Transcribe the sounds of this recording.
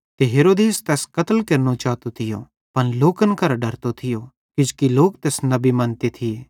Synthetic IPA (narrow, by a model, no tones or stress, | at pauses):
t̪eɦeːɾoːd̪eːst̪ɛːskɐt̪əlkeɾnot͡ʃaːt̪ot̪ʰɪjo̰ | pɐnloːkənkɐɾɖɐɾt̪ot̪ʰɪjo | kɪd͡ʒkiloːk̚t̪eːsnɐbimɐnt̪et̪ʰie